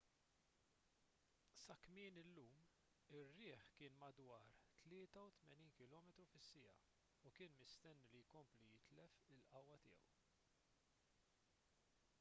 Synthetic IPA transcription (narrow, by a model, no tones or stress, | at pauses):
sɐkmɪːnɪlːuːm | ɪrːɪːħkɪːnmɐd̪wɐːɾt̪lɪːt̪ɐut̪mɛniːnkɪlɔːmɛt̪ɾufɪsːɪjɐ̰ | ukɪːnmɪst̪ɛnːilijkɔmplijɪt̪lɛfɪlʔɐwːɐt̪ɪːjɛ̰w